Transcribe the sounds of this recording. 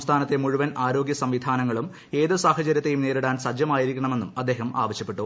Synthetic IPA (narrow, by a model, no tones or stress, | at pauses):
st̪ʰaːnɐt̪ːemuɻuʋɐnʔaːɾo̞ːɡjɐsɐmʋid̪ʱaːnɐŋːɐɭum | e̞ːðɨsaːhɐt͡ɕɐɾjɐt̪ːe̞jumneːɾuɽaːnsɐd͡ʑjɐmaːjiɾikʲːɐɳɐme̞nːṵmɐd̪ːe̞ːɦɐma̰ːʋɐɕjɐpːeʈːu